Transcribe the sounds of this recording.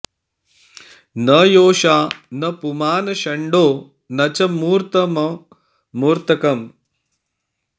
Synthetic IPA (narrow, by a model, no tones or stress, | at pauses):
nɐjoːʃaːnɐpumaːnɐʃɐɳɖoː | nɐt͡ʃɐmuːɾt̪ɐmɐː | uːɾt̪ɐkɐm